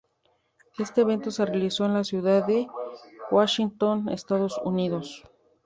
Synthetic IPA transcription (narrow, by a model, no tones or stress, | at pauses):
e̞st̪e̞ːβe̞nt̪o̞se̞realiso̞enlasjuðaðe̞waʃint̪onḛst̪aðo̞suniðo̞s